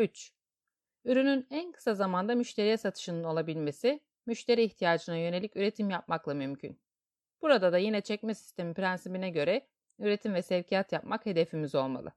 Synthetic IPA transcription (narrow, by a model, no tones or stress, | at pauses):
yt͡ʃ | yɾynynænkʰɯ̥sazamand̪amyʃt̪ʰe̞ɾijɛsat̪ʰɯ̥ʃɯnɯno̞lˠabilʲme̞si | myʃt̪ʰe̞ɾiːçt̪ʰijaːd͡ʒɯnajø̞ne̞lʲicyɾe̞t̪ʰimjap̚maklˠamymcʰy̰n | b̥uɾad̪ad̪ajinɛt͡ʃʰɛcmɛsi̥st̪e̞mipɾænsibinɛɟø̞ɾɛ | yɾe̞t̪ʰimvɛsɛvcʰijat̪jap̚makhe̞d̪e̞fimizo̞lˠma̰lˠɯ̰